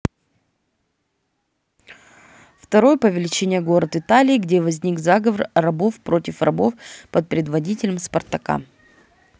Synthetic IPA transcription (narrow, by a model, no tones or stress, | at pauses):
ft̪ɐɾo̞jəpəvʲɪlʲɪt͡ɕenʲɪjəɡo̞ɾət̪ɨt̪alʲɪːɡdʲevɐzʲnʲikzaɡəvərrɐbo̞fpɾotʲɪfrɐbo̞fpət̪̚pɾʲɪd̪vɐdʲitʲɪlʲəmspɐrt̪ɐka̰